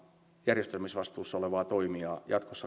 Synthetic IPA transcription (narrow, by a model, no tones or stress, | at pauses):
jærjest̪elmisʋɑst̪uːsːɑoleʋɑːt̪oimiɑ̰ːjɑ̰t̪kosːɑ